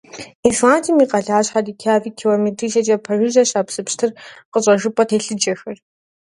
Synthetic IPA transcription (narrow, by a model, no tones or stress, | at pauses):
ifaːntʰimiːqɐɮaːɕħadiːkʲʰaːviːkʰilometʰiːʃɐt͡ʃʼɐpʰɐrʒɨʒɐɕaːpsɨpɕtʰɨrqəɕʼɐʒɨpʼɐtʰeːɬɨd͡ʒʼɐxɐr